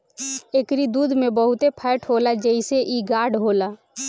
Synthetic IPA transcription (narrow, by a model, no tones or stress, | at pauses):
eːkɾid̪uːd̪ʱmẽbəɦʊt̪epʰɛːʈʰɦoːlad͡ʒəiseʔiɡaːɖɦoːlaː